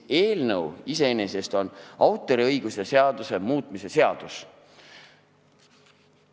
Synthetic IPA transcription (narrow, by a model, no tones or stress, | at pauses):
e̞ːlnɤwise̞enese̞st̪o̞nɑwt̪ːˑo̞ɾiɤjɡ̥use̞se̞ɑd̪̥use̞muːt̪ˑmise̞se̞ɑd̪̥us